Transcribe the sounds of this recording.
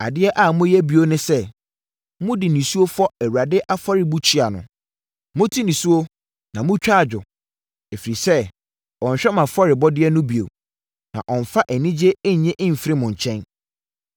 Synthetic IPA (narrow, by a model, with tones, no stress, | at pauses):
a̰˨dɪ˦ɛ˦ʔa˨mʊ̃˦jɛ˦bi˨o˦nʊ̃˦sɛ˦ | mʊ̃˦dɪ˨nĩ˨su˦o˦fɔ˦æ˨wu˨ɾa˨dɪ˦ʔa˦fɔ˦ɾɪ˨bu˦t͡ɕʰi˦a˨nʊ̰̃˨ | mʊ̃˦tʰi˦nĩ˨su˦o˦ | nã˨mʊ̃˦t͡ɕᶣa˦˨d͡ʑᶣʊ˨ | e˨fi˨ɾi˨sɛ˦ | ɔ̃˨ɲ̩˨ɕᶣɛ˦mã˨fɔ˦ɾɪ˨bɔ˦dɪ˦ɛ˦nʊ̃˦bi˨o̰˨ | nã̰˨ʔɔ̃˨n˨fa˦ʔæ˨nĩ˦d͡ʑe˦ɲ̩˨ɲɛ̃˦ʔɪ̃˦m̩˨fɾɪ˦mʊ̃˨ɲ̩˨t͡ɕʰɛ̃˦n